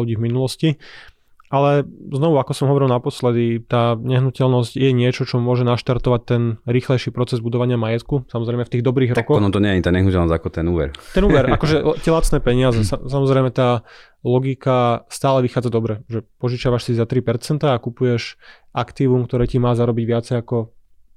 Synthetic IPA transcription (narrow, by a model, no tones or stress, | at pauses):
luɟiːvminulɔsci | ʔalɛznɔʋuakɔsɔmɦɔʋɔɾilˠnapɔslɛd̪it̪aːɲɛɦnucɛlnɔscjɛɲɪɛt͡ʃɔt͡ʃɔmʊɔʒɛnaʃt̪aɾt̪ɔʋac̚t̪ɛnɾiːxlɛjʃiːpɾɔt͡sɛzbud̪ɔʋaɲɪamajɛt̪kusamɔzɾɛjmɛft̪iːɣd̪ɔbɾiːɣɾɔkɔnɔt̪ɔɲɛjɛt̪aɲɛɦnucɛlnɔzakɔt̪ɛnuːʋɛ̰ɾt̪ɛnuːʋɛɾakɔʒɛtɛlat͡snɛːpɛɲɪazɛsasamɔzɾɛjmɛt̪aː | lɔɡikast̪aːlɛʋixaːd͡zad̪ɔbɾɛʒɛpɔʒit͡ʃaʋaʃsizat̪ɾipɛɾt͡sɛnt̪aːkupujɛʃ | ʔakt̪iʋumkt̪ɔɾɛːcimaːzaɾɔbiɟʋɪat͡sɛjakɔ